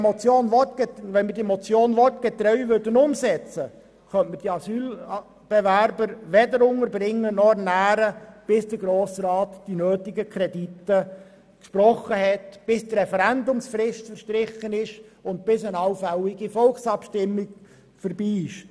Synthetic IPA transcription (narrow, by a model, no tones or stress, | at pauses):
mɔt͡sjoːnʋɔtʋɛnmɪɾdimɔt͡sjoːnʋɔtɡ̥ɛt̪ɾœɥʋʏɾdənʊmsɛt͡sə | χœntməd̥iɑsyːl | b̥ɛʋæɾbəɾʋɛdəɾʊŋəɾbɾɪŋːənɔnæːɾəb̥ɪsdəɾɡɾoːsɾɑːt̪d̥inøːtɪɡəkʰɾɛditːə | kʃpɾɔχːəɦɛtb̥ɪsd̥rɛfɛɾændʊmsfrɪʃtfəɾʃtɾɪχənɪʃʊntb̥ɪsɪnɑwfælɪɡifɔlksɑpʃtɪmːɪɡ | fəɾbiːɪʃ